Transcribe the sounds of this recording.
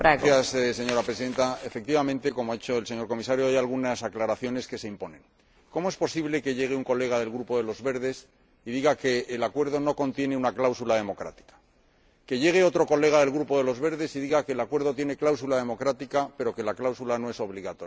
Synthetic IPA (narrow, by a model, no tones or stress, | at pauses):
pɾaɣjasse̞ɲo̞ɾapɾesiðe̞nt̪ae̞fe̞k̚t̪iβamẽ̞nt̪e̞ko̞moait͡ʃo̞else̞ɲo̞ɾko̞misaɾjoajalɣunasaklaɾaθjo̞ne̞ske̞se̞impo̞nẽ̞ŋ | ko̞moe̞spo̞siβle̞ke̞ʎe̞ɣ̞euŋko̞le̞ɣ̞aðe̞lɣɾupo̞ðe̞lo̞zβe̞ɾðe̞s | iðiɣake̞ːlakwe̞ɾð̞o̞no̞ko̞nt̪je̞ne̞unaklawsulaðe̞mo̞kɾa̰t̪i̥kḁ | ke̞ʝe̞ɣ̞eo̞t̪ɾo̞ko̞le̞ɣ̞aðe̞lɣɾupo̞ðe̞lo̞zβe̞ɾðe̞siðiɣake̞lakwe̞ɾðo̞t̪je̞ne̞klawsulaðe̞mo̞kɾat̪ikape̞ɾo̞ke̞laklawsulano̞eso̞βliɣat̪o